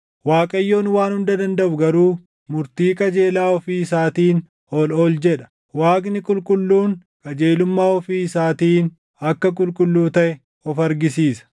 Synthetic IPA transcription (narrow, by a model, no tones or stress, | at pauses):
waːkʼɐjːo̞ːnwaːnhʊnd̪ɐd̪ɐnd̪ɐʔʊɡɐɾuː | mʊɾt̪iːkʼɐd͡ʒe̞ːlaːɔfiːɪsaːt̪iːn | hɔloːld͡ʒɛᶑɐ̥ | waːɡnɪkʼʊlkʼʊlːuːn | kʼɐd͡ʒe̞ːlʊmːaːɔfiːɪsaːt̪iːn | ɐkːɐkʼʊlkʼʊlːuːt̪ɐʔɛ | ɔfɐɾɡɪsiːsɐ̥